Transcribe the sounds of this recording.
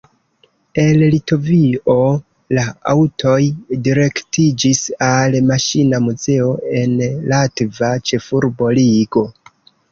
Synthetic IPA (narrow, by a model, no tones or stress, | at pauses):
e̞llito̞vio̞ | laa̰wtʰo̞jdiɾe̞ktid͡ʒisalmaʃinamuze̞o̞e̞nlatvat͡ʃe̞fuɾbo̞liɡo̞